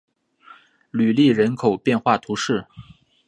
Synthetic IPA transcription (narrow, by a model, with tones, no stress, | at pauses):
ly˨˩li˥˩ɻə˧˥nkʰo˨˩ʊpjɛ˥˧nxwa˥˩t̪ʰu˧˥ʂɻ̩˥˩